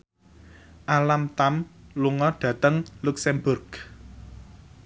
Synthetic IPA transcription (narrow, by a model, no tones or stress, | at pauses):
ʔalamt̪amluŋɔɖ̥ä̤t̪əŋluksɛmbʊrɡ̥